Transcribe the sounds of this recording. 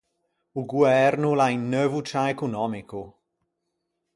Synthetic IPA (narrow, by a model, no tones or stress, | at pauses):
uɡwɛrnulajnːəvutʰaɛkunɔmikʰu